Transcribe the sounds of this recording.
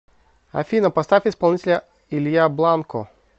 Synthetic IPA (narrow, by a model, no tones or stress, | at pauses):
ɐ̰fʲinɐpɐst̪afʲɪspɐlˠnʲitʲɪlʲɐ | ilʲjablˠankɔ